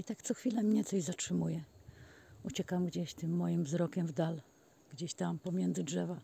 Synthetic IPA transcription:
it̪akt̪sɔxfʲilɛmɲɛt̪sɔʑzatʂɘmujɛ | ut͡ɕɛkamɡd͡ʑeɕt̪ɘmːɔjimvzɾɔkʲɛmvd̪al | ɡ̥d͡ʑeɕt̪ampɔmʲjɛnd̪zɘdʐɛva

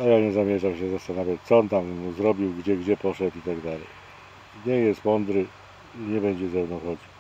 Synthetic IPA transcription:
ajaɲɛzamʲjɛʐamɕɛzast̪anavʲjatt̪sɔɔnt̪amzɾɔbʲiwɡd͡ʑɛɡd͡ʑɛpɔʂɛt̪it̪aɡd̪alɛj | ɲɛjɛst̪mɔnd̪ɾɘ | iɲɛbɛɲd͡ʑɛzɛwnɔ̃w̃xɔd͡ʑiw

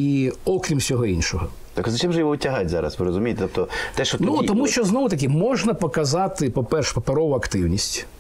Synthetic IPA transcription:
iɔkɾʲimsʲɔɦɔinʲʃɔɦɔ | t̪ɐkzɐt͡ʃɪmʒɛjɔʋɔʊtʲɐɦɑtʲzɑ̰ɾɐ̰sʋɪɾɔzʊmʲijt̪et̪ɔp̚t̪ɔt̪ɛʃt͡ʃɔnuɔmuʃt͡ʃɔznɔʋʊt̪ɐk̬ʲɪmɔʒnɐpɔkɐzɑt̪ɪpɔpɛrʃpɔpeɾɔʋʊɐkt̪ɪwnʲisʲtʲ

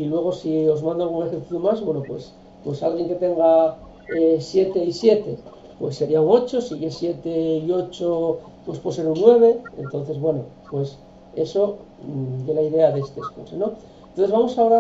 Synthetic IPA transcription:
ilwe̞ɣ̞o̞sio̞zmãnd̪oalɣ̞une̞xeɾθiθjumazβwe̞no̞pwe̞s | pwesalɣje̞ŋke̞t̪e̞ŋɡa | esje̞t̪e̞isje̞t̪e̞ | pwe̞sːe̞ɾiauno̞t͡ʃo̞siɣesje̞t̪e̞io̞t͡ʃo | pwe̞spwose̞ɾunːwe̞β̞e̞ḛnt̪o̞n̟θe̞zβwe̞no̞pwe̞s | e̞so̞ | delaiðe̞aðeest̪eːskoseno̞ | nt̪onθe̞zβamo̞sao̞ɾa

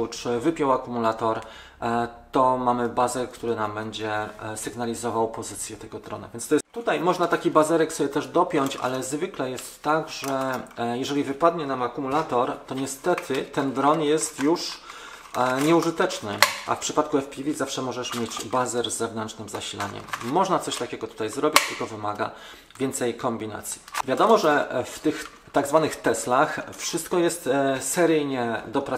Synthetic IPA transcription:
ut͡ʂvɘpʲjɔwakumulat̪ɔɾ | t̪ɔmamɘbazɛlkt̪uɾɘnambɛɲd͡ʑɛsɘɡnalʲizɔvawpɔzɘt̪sʲjɛt̪ɛɡɔd̪ɾɔ̰na̰vjɛnt̪t̪ɔjɛst̪ːut̪ajmɔʐnat̪akʲibazɛɾɛksɔbʲjɛt̪ɛʐd̪ɔpʲjɔɲt͡ɕa̰lɛzvɘklɛjɛst̪ːaɡʐɛjɛʐɛlʲivɘpad̪ɲɛnamakumulat̪ɔɾt̪ɔɲɛst̪ɛt̪ʰɘt̪ɛnd̪ɾɔnjɛst̪juʂ | ɲɛuʐɘt̪ɛt͡ʂnɘʔa̰fpʂɘpat̪̚kuɛfpʲilʲizafʂɛmɔʐɛʂmʲjed͡ʑbazɛɾzːɛvnɛnt͡ʂnɘmzaɕila̰ɲɛ̰mːɔʐnat̪sɔɕt̪akʲɛɡɔt̪u̥t̪ajzɾɔbʲit͡ɕt̪ɘlkɔvɘmaɡa̰ | vʲjɛnt̪sɛjkɔmbʲina̰t̪sʲji̥vʲjad̪ɔmɔʐɛft̪ɘx | t̪aɡzvanɘxt̪ɛslaxfʂɘst̪kɔjɛst̪sɛɾɘjɲɛd̪ɔpɾa

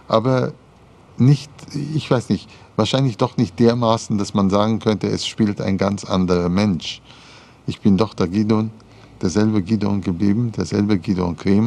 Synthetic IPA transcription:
ʔaːbɐ | nɪçtɪçv̥aɪsnɪçt | v̥aːɐʃaɪnlɪçd̥ɔχnɪçt̚d̥eːɐmaːsn̩d̥asmanzaːɡŋ̩kʰœntəɛsʃpiːlta̰ɪnɡant͡sʔa̰ndəʁɐmɛnʃ | ʔɪçb̥ɪndɔχd̥aɐɡiːdon | d̥eːɐzɛlbəɡiːdo̰nɡəbliːbm̩d̥eːɐzɛlbəɡiːdo̰nkʁ̥eːm

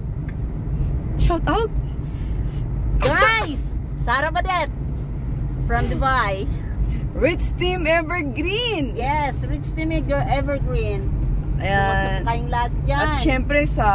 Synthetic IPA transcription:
ʃawt̪awt̪̚ | ɡajs | saːɾɐbɐd̪ɛt̪̚ | fɹɐ̃md̪ɪvaj | ɹɪt͡ʃst̪imɛvɛɹɡɾinjɛsɹɪt͡ʃst̪ĩmɪk̚d̪ɛɹʔɛvɛɹɡɹinʔɐjasnkajʊŋlaat̪̚d͡ʒaɐʃɛmpɾɛsɐ

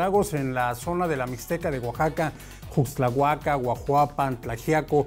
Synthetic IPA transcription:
aɣosenlasonaðelamist̪ekaðewaxaka | xust͡ɬaɣwakawʷaxwapant͡ɬaxjako

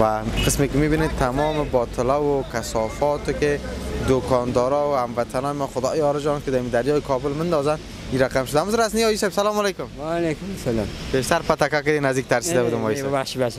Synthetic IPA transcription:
waqəsmekɪmibinet̪ʰamɔmɪbɔt̪ʰɪlawʊkasɔfɔt̪ɪkɪd̪okʰɔnd̪ɔɾɔwʊamvat̪ʰanɔːjɪmɔxʊd̪ɔjɔɾɪd͡ʒɔnkɪd̪aamid̪aɾjɔːjɪkʰɔbʊlmɪnd̪ɔzand̪ | iɾaqamʃʊd̪aamut̪ʊɾasniɔisebsalɔmɔlejkʊmwalekʊmasalambeʃt̪aɾpat̪akakɪd̪enazd̪ik̚t̪aɾsid̪abud̪ɪmɔiseaʃibaʃ

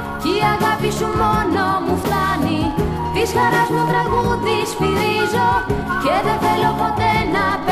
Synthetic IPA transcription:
ciɐɣɐpisumo̞nomuft̪ɐni | t̪isxɐɾɐzmut̪ɾɐɣuðispiɾizo̞ceðeθelo̞po̞t̪e̞nɐp

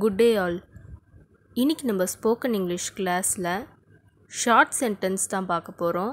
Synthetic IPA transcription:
ɡʊɖːeːaːl | ɪnːɪkʲːɯnɐmbɐspoːkɐnɪŋɡlɪʂklaːsɪlɐ | ʃaːɾʈsɛɳʈɐnst̪ãːpaːɾkɐpːoːɾõː

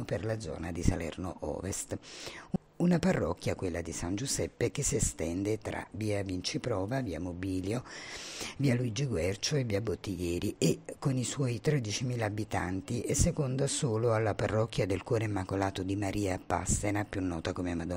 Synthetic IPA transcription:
perlad̪zɔ̰ːnad̪isa̰lɛ̰rno̰ʔɔ̰ːvest̪ | unaparːɔ̰kːjakwelːad̪isand͡ʒuzɛpːek̟esːiest̪ɛnd̪et̪ɾa̰viːavint͡ʃipɾɔːvaviːa̰mobiːljo | viːaluid͡ʒiɡwɛrt͡ʃoevːiːabot̪ːijɛːɾiʔekːoniswɔːjt̪ɾɛd̪it͡ʃimiːlaːbit̪a̰nt̪iʔesːekond̪asoːloalːaparːɔkːjad̪elkwɔːɾeimːakolaːt̪od̪imaɾʔiːapa̰sːenapjunːɔːt̪akomemad̪ɔ

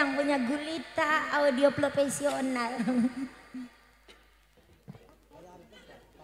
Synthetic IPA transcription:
aŋpuɲaɡulit̪aaudioplopesional

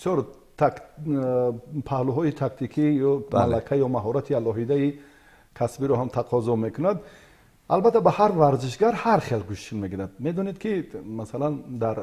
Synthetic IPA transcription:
isjɔɾ | t̪k | pʰahluɦɔit̪ʰakt̪ʰikʰijɔmalːakʰajɔmaɦɔɾat̪ʰialɔɦid̪ai | kʰasbiɾɔɦamt̪ʰaqʰɔzɔme̞kʰunad̪ | ʔalbat̪ʰːabahaɾvaɾziʃ̬ɡaɾhaɾχelɡuʃtʰinme̞ɡiɾad̪̚me̞d̪ɔned̪kʰimasaland̪aɾ

